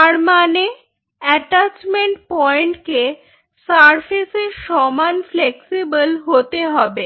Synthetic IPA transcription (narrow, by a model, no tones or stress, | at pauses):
t̪aɾmane | ɛʈat͡ɕmeɳʈpɔeɳʈke | saɾfʰeseʃɔmanfleksibəlɦot̪eɦɔbe